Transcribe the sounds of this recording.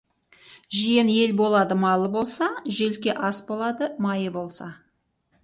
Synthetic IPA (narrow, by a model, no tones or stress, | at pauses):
ʒijene̞lbo̞lˠɑd̪əmɑlˠəbo̞lˠsɑʒelkʲe̞ʔɑsbo̞lˠɑd̪əmɑjəbo̞lˠsɑ